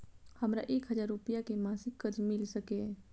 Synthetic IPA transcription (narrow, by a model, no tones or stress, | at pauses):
hɐmɾa̰ʔeːkɦəzaːɾːupijakemãːsɪkkːəɾd͡ʒmɪlsəkeː